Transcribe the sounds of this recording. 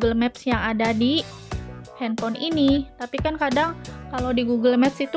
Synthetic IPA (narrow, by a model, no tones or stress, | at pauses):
ɡəlmɛpsjaŋadadi | hɛnpɔninit̪apikankadaŋkalowdiɡuɡəlmɛp̚sit̪u